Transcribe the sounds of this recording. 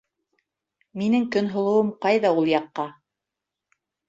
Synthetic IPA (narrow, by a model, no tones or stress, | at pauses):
minɘŋkɵnɦŏlˠɤ̆wɤmqɑjðɑulˠjɑqːɑ